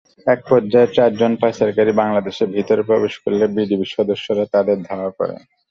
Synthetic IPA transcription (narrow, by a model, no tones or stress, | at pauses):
ɛk̚pɔɾd͡ʑaeɾt͡ɕaɾd͡ʑonpaesaɾkaɾibaŋlad̪eʃebʱit̪oɾpɾɔbeʃkoɾlebid̪ibiʃɔd̪oʃːoɾat̪ad̪eɾd̪ʱaoakɔ̰ɾḛ